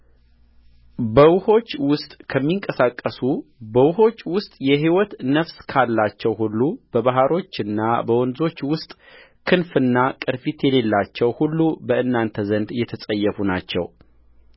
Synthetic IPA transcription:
bəwʊho̞t͡ʃːwʊst̪ʼkʰəmːiŋkʼəsakʼːəsubəwʊho̞t͡ʃːwʊst̪ʼjɛɦiwɔt̪nəfskʰalːat͡ʃːɛwɦulːub̥əβaɦaɾo̞t͡ʃːɨnːabəwɔnzo̞t͡ʃːwʊst̪ʼ | kʰɨnfɨnːakʼɨɾfit̪jɛle̞lːat͡ʃːɛwhulːubəɨnːant̪ʰəzənd̪jɛt̪ʰəsʼəjːɛfunat͡ʃːɛ̰w

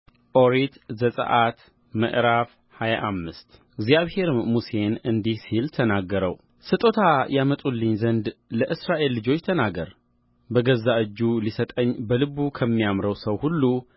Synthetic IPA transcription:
ʔoɾit̪zəsʼə̰ʔat̪ | mə̰ʔɾaf | haja̰ʔamːɨst̪ | ɨɡzjaβhe̞ɾɨmːuse̞nɨnd̪ihsilt̪ʰənaɡːəɾəw | sɨt̪ʼot̪ʰajamət̪ʼulːɨɲzənd̪ləʔɨsɾaʔe̞lːɨd͡ʒo̞t͡ʃːt̪ʰənaɡəɾ | bəɡəzːaʔɨd͡ʒːulisət̪ʼəɲːbəlɨβukʰəmːijamɾəwsəwhulːu

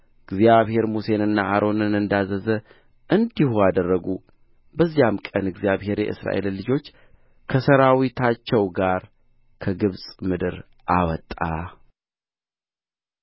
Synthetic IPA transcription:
ɨɡzjaβhe̞ɾmuse̞nɨnːaaɾʔo̞nɨnɨnd̪azəzə | ʔɨnd̪ihuad̪ərːəɡu | bəzːijamkʼənɨɡzijaβhe̞ɾjɛ̰ʔɨ̰sɾa̰ʔe̞llɨd͡ʒo̞t͡ʃː | kʰəsəɾawit̪ʰat͡ʃːɛwɡaɾ | kʰəɡɨβsʼmɨd̪ɨɾ | ʔawɔt̪ʼːa̰

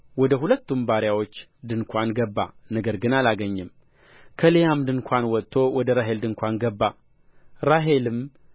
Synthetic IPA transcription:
wɔd̪əɦulət̪ːumbaɾjawo̞t͡ʃːd̪ɨnkʰʷanɡəbːa̰nəɡəɾɡɨnalaɡəɲːɨm | kʰəlejamd̪ɨnkʷʰanwɔt̪ʰːo̞wɔd̪əɾaɦe̞ld̪ɨŋkʷanɡəbːa | ɾaɦe̞lɨm

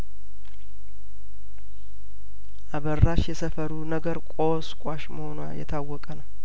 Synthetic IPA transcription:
ʔaβərːaʃjɛsəfəɾunəɡəɾkʷʼoskʷʼaʃməho̞nuajɛt̪ʰawːɔkʼənəw

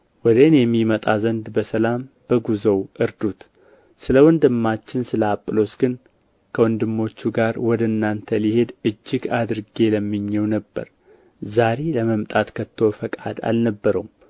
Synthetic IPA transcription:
wɔd̪ənjɛmːimət̪ʼazənd̪bəsəlam | b̥əɡuzəwʔɨɾd̪ut̪ | sɨləwɔnd̪ɨmːat͡ʃːɪnsɨləapʼːɨlo̞sɡɨn | kʰəwɔnd̪ɨmːo̞t͡ʃːuɡaɾwɔd̪əɨnːant̪ʰəlihe̞d̪ɨd͡ʒːɪɡad̪ɨɾɡe̞ləmːɨɲːɛwnəbːə̰ɾ | zaɾe̞ləməmt̪ʼat̪kʰət̪ʰːofəkʼa̰d̪a̰lnəbːəɾəm

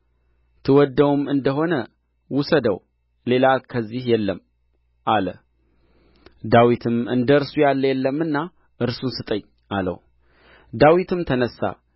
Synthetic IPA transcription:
t̪ʰɨwɔd̪ːəwumɨnd̪əɦo̞nə | wʊsəd̪əw | le̞lakʰəzːihjɛlːəm | ʔalə̰ | d̪awit̪ʰɨmɨnd̪əɨɾsujalːəjɛlːəmːɨnːa | ʔɨɾsunsɨt̪ʼəɲː | ʔalə̰w | d̪awit̪ɨmt̪ʰənəsːa̰

